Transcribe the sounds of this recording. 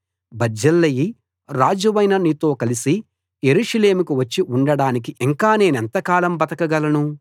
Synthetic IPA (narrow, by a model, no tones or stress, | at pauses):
bɐd͡ʒɐlːɐji | ɾaːd͡ʒɐʋɐjnɐnit̪o̞ːkɐlisi | je̞ɾuːʂɐle̞ːmukuʋɐt͡ʃːiuɳɖɐɽaːnik̬iʔiŋkaːne̞ːnɐnt̪ɐkaːlɐmbɐt̪ɐkɐɡɐlɐnu